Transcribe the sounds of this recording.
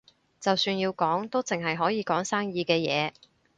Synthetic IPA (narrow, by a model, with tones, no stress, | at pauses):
t͡sɐ˨wsyː˧njiː˧wkɔː˨˥ŋt̪o˥t͡sɪ˨˩ŋɦɐ˨jɦɔː˨˥jiː˨˧kɔː˨˥ŋsaː˥ŋjiː˧kɛː˧jɛ̰ː˨˧